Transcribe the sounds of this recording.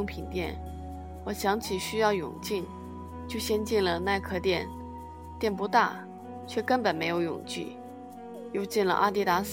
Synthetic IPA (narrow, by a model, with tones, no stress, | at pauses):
ʊ˥ŋpʰi˨˩nt̪jɛ˥˩n | wɔ˨˩ɕjɑ˧˥ŋt͡ɕʰi˨˩ɕy˥jɑ˥˩ʊjʊ̰˨˩ŋt͡ɕi˥˩n | t͡ɕjo˥˧ʊɕjɛ˥nt͡ɕi˥˩nlə˩na˥˧ɪkʰɤ˥˧t̪jɛ˥˧˩n | t̪jɛ˥˩npu˧˥t̪a̰˥˩ | t͡ɕʰɥɛ˥˩kə˥npə˨˩nme˧˥ɪjo˧˥ʊjʊ̰˨˩ŋt͡ɕy̰˥˩ | jo˥˧ʊt͡ɕi˥˩nlə̰˩ʔa̰˥t̪i˥˩t̪a˧˥s